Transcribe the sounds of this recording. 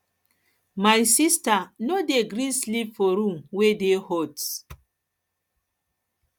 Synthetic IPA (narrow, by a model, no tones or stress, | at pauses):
majsistanodeɡɾislipfɔɾũmwedehɔt